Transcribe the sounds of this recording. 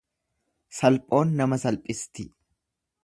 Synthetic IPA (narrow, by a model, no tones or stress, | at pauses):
sɐlpʼo̞ːnːɐmɐsɐlpʼɪst̪ɪ